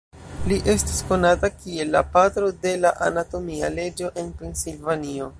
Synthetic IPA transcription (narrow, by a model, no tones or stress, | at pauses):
liʔe̞sti̥sko̞natakie̞lːapatɾo̞de̞laʔa̰nato̞mia̰le̞d͡ʒo̞ʔe̞npensilvanio̞